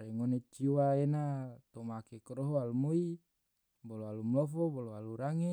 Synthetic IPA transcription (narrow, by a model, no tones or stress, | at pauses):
ɾɛŋonet͡ʃiwaenat̪omakekɾɔɦoalumoi | bɔloalumlɔfɔbɔloaluɾaŋe